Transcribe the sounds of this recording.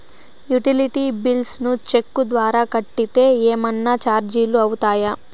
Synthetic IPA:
juʈiliʈiːbilsnut͡ʃe̞kːud̪ʋaːɾaːkɐʈːit̪e̞ːeːmɐnːat͡ʃaːɾd͡ʒiːluɐwut̪aːjɐ

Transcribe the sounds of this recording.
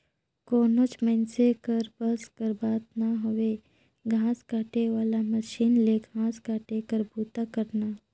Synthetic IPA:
koːnot͡ʃmɛ̃nsekəɾbəskəɾbaːt̪̚naɦʊʋe | ɡʱãːskaːʈeʋaːlaməʃiːnleɡʱãːskaːʈekəɾbuːt̪akəɾnaː

